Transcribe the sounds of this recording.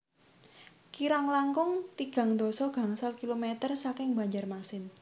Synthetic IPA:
kiɾaŋlaŋkʊŋt̪iɡ̥a̤ŋd̪ɔ̤sɔɡ̥a̤ŋsalkilomet̪ərsakɪŋba̤ɲd͡ʒarmaksɪn

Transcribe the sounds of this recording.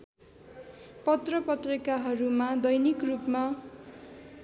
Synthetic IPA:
pʌt̪rʌpʌt̪rikaɦʌɾumad̪ʌjnikrupma

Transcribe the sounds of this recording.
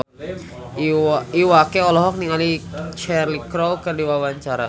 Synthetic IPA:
iwakɛɔlɔɦɔk̚niŋalit͡ʃɛrlikɾowkərdiwawaɲt͡ʃaɾa

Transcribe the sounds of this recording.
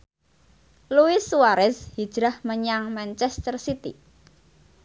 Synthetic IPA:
luisːuwaɾɛshid̥ʒ̥ɾahməɲaŋmant͡ʃɛst̪ərsit̪ḭ

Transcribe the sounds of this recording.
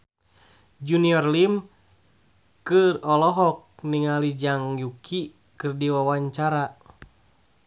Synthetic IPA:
d͡ʒuniɔrlim | kɨrɔlɔɦɔk̚niŋalid͡ʒaŋjukʰi | kɨrdiwawaɲt͡ʃaɾa

